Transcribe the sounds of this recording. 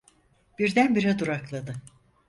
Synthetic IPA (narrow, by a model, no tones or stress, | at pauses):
b̥iɾd̪ænbiɾɛd̪uɾaklˠad̪ɯ